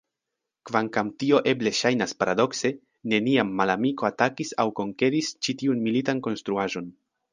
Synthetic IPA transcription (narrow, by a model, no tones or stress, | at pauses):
kvaŋkamtio̞ʔe̞ble̞ʃajnaspaɾado̞kse̞ | ne̞niamːalamiko̞atakisawko̞ŋke̞ɾist͡ʃitiunmilitanko̞nst̪ɾuaʒo̞n